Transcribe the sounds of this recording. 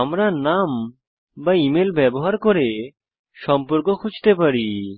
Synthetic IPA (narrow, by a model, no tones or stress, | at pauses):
amɾanam | baimelbɛboɦaɾkoɾe | ʃɔmpoɾkokʰud͡ʑʱt̪epaɾi